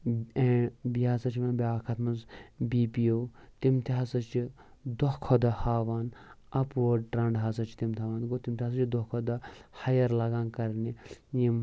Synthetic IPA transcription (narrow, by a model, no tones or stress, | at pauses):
ẽbiasɐt͡ʃʰimẽbʲaːkʰɐt̪ʰmɐnzbiːpijowt̪imt̪ʰiɦɐsɐt͡ʃi | d̪oɦkʰod̪ɐhaːʋaːn | ɐpʋoɖʈɾɐɳɖɦasɐt͡ʃʰi̥t̪imt̪ʰaʋaːnɡot̪imt̪ʰiɦas̬ɐt͡ʃʰid̪okʰod̪ɐhɐjɐɾlɐɡãːnkɐɾnijim